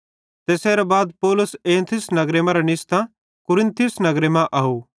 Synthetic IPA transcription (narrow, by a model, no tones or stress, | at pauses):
t̪eːseːɾabaːd̪̚pɔːlʊseːnt̪ʰɪsnɐɡɾemãɾanɪst̪ã | kʊɾɪ̃nt̪ʰijʊsnɐɡɾemãʔɐɦuː